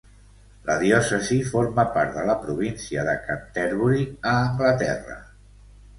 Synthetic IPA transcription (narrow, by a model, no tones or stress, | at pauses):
ləðjɔsəzifoɾməpaɾt̪ðələpɾuβinsiəðəkant̪ɛɾβuɾiəːŋɡlət̪ɛ̰rə̰